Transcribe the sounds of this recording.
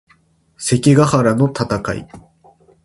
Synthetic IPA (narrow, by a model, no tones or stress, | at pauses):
se̞kʲiɡahaɾano̞t̪at̪aka̰ḭ